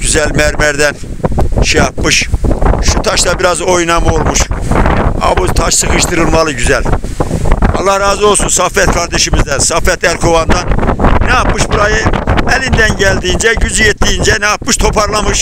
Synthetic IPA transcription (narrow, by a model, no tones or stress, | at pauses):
ɟ̥yzælʲmæɾmæɾd̪ɛnʃɛjɑp̚mɯʃʃut̪ʰɑʃd̪ˠɑbiɾɑzo̞jnɑmɯolˠmuʃ | ɑ̰but̪ʰɑʃsɯkɯʃt̪ʰɯɾɯnvɑlˠɯɟyzɛlʲ | ɑlˠːɑhɾaːzɯo̞lˠsunsafːɛt̪kʰaɾd̪ɛʃimizd̪ɛnsɑfːɛt̪æɾkʰovand̪ɑnnɛapmɯʃbuɾajɯɛlind̪ɛnɟælʲd̪ijind͡ʒɛɟyzyjet̪ʰːijind͡ʒɛnɛap̚mɯʃt̪ʰo̞pʰɑɾlˠamɯʃ